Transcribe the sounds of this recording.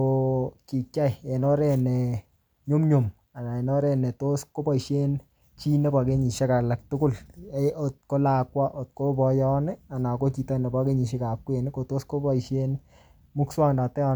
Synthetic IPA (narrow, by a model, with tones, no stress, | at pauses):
o˧ki˨ka˦je˨nɔ˦ɾɛ˨nɛ˨ | ɲʊ˦mɲo˨m | a˨na˨e˨nɔ˦ɾɛ˦˨nɛ˨to˦sko˦bɔ˦˨i˨ʃe˦n | t͡ʃi˦ne˦pa˨ke˦ɲi˨ʃe˦ka˨la˨k̚tʊ˦kʊ˦leo˨t̚ko˦la˨kwa˦ʔo˨t̚ko˦bɔ˧jɔ˦nɛ˦a˨na˨ko˦t͡ʃi˨tɔ˦ne˨ba˦ke˦ɲi˨ʃi˦ka˨kwe˨n˦ko˨to˦sko˦bɔ˦i˨ʃe˦n | mu˦kswa˦ŋnda˨tɛ˦ɔ˧n